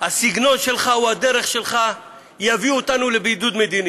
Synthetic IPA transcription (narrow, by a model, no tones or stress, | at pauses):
hasiɡno̞nʃe̞lχauhad̪eʁe̞χʃe̞lχa | javiot̪anulebid̪ud̪med̪ini